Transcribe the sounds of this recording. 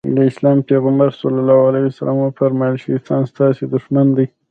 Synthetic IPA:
d̪əɪslɑmpeɣambaɾsulalɑwalajusalɑmunpəɾmalʃist̪ɑnst̪ɑsed̪uʃmand̪aj

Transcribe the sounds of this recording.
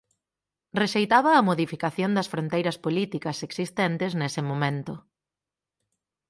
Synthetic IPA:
reʃejt̪aβɐːmoðifikaθjond̪ɐsfɾont̪ejɾɐspolit̪ikɐseksist̪ɛnt̪ɪznesɪmomẽnt̪ʊ

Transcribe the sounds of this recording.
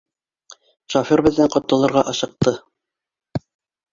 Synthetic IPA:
ʃofʲiɾbɘ̆ðːɘɴqŏt̪ːɤ̆lˠɤ̆ɾʁɑʔɑʃɤ̆q̚t̪ɤ

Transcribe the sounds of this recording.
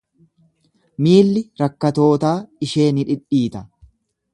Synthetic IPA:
miːlːɪɾɐkːɐt̪o̞ːt̪aːɪʃe̞ːnɪᶑɪᶑiːt̪ɐ

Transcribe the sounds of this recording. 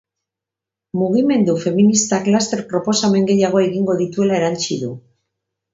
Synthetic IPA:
muɣ̞ime̞nd̪ufe̞minist̪aklast̪e̞ɾpɾo̞po̞same̞ŋɡe̞jaɣ̞o̞e̞ɣiŋɡo̞ðit̪ue̞laeɾant͡ʃiðu

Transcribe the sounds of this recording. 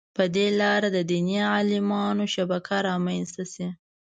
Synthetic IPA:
pəd̪elɑɾad̪əd̪inijaalɪmɑnoʃabakʰaɾɑmanst̪asi

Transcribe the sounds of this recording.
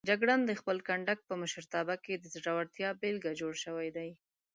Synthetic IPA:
d͡ʒaɡɽand̪əxpəlkaɳɖak̚pəmʊʃəɾt̪ɑbaked̪əzɾawaɽt̪jɑbelɡad͡ʒoɽʃəwajd̪aj

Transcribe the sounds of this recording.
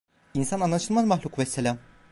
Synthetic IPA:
insananːˠat͡ʃʰɯlˠmazmaxlʲukvɛsːelʲam

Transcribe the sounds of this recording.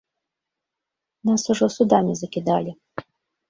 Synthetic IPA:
nasʊʒɔsʊd̪amʲizɐkʲɪd̪ɑlʲi

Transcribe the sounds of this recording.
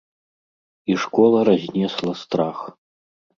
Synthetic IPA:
iʂkɔlˠɐɾazʲnʲɛslˠɐst̪ɾax

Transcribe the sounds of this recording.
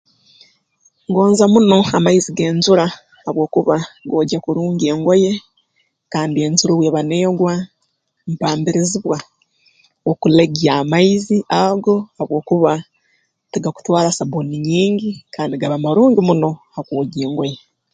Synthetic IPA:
ŋɡo̞ːnzamuno̞amaiziɡe̞ːnzuɾa | aβwo̞ːkuβaɡoːɟakuɾuːɲɟe̞ːŋɡo̞je̞ | kaːndie̞ːnzuɾoβweːβaneɡwa | m̩paːmbiɾiziβwa | okuleɡiamaiziʔaɡo̞aβwo̞ːkuβa | tiɡaku̥twaːɾasaboniɲiːɲɟikaːndiɡaβamaɾuːɲɡimuno̞hakwoːɟeːŋɡo̞je̞

